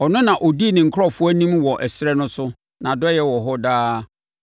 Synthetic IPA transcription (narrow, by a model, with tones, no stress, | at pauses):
ɔ˨nʊ̃˦nã˨ʔo˨di˦e˨nɪ̃˨ŋ̩˨kʰɾɔ˦˨fʊ˦æ˦nĩ˦mwɔ˨ʔɛ˨sɾɛ˦nʊ̃˦sʊ˦ | nã˨dɔ˦jɛ˦wɔ˨ɦɔ˦daː˦